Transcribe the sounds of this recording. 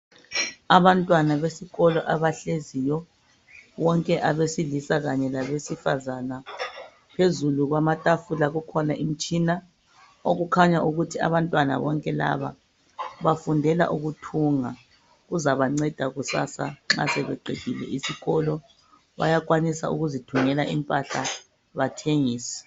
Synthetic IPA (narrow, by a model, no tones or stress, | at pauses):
aβantʼwanaβesiɣɔlɔʔaβaɬezijɔ | βɔŋkʼɛʔaβesilisaɣaɲɛlaβesifazana | pʰezuluɣwamatʼafulaɣukʰɔnaʔim̩t͡ʃʼina | oɣukʰaɲaʔuɣutʰia̰βantʼwana̰βɔ̰ŋkʼɛla̰βa̰ | βafundʱɛla̰ʔuɣutʰuŋa | ɣuzaβaŋ͡ǀɛd̥ʱaɣusa̰sa̰ŋ͡ǁa̰sɛβɛǃeɣʱʼilɛ̰ʔisiɣɔlɔ | βa̰jakʼwanisa̰ṵɣuzitʰuŋɛlaʔimpʼaɬa̰ | βatʰeŋiːsḁ